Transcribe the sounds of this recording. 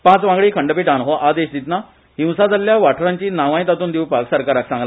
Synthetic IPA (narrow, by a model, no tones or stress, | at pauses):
pãt͡sʋãŋɡɭiːkʰəɳɖəpiːʈanɦoʔad̪eɕd̪it̪na | ɦĩw̃sad͡zaljaʋaʈʰɾaɲt͡ɕiːnaʋãj̃t̪at̪uːnd̪iwpaksəɾkaɾaksãŋɡla